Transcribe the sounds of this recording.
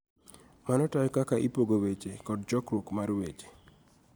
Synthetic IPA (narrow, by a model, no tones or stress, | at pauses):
manɔtajkakaʔipoɡowet͡ʃekɔd̚d͡ʒɔkɾokmaɾwet͡ʃe̥